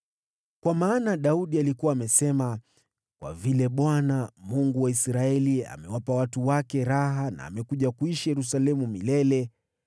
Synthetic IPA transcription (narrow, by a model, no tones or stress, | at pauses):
kwamaːnaɗauɗialikuwaːmɛsɛma | kwa̰vilɛɓwanamuŋɡuwaisɾaɛlia̰mɛwapawatuwakɛɾaɦana̰ːmɛkuʄakuiʃijɛɾus̬alɛmumilɛlɛ